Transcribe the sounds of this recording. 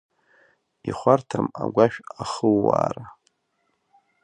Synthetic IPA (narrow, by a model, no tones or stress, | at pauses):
iχʷartʰamaɡʷaʃᶣaχəlːaːra